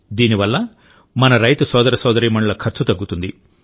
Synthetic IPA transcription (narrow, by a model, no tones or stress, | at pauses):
d̪iːniʋɐlːɐ | mɐnɐɾɐjt̪ɐsɔːd̪ɐɾɐsɔːd̪ɐɾiːmɐɳɐɭɐkʰɐɾt͡ʃut̪ɐɡːut̪und̪i